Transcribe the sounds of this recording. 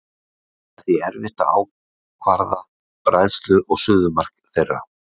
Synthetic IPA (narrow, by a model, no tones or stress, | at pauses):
ɛɾ̥θiɛɾvɪht̪a̰a̰w | kʰvaɾða | pɾajðst̪lʏʔɔɣsʏːðʏmar̥kθejrːa̰